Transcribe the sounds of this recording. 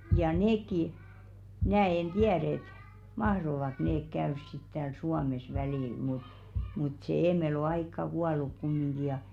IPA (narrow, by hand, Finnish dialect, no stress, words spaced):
jɑ neːkːi mnæː en tiæɾ et mɑhroʋɑk neːk kæørs sit tæːl suɑmes ʋæliˑl mut mut seˑ eːmel o ɑikːɑ kuɑluk kumːiŋɡ̊i jɑ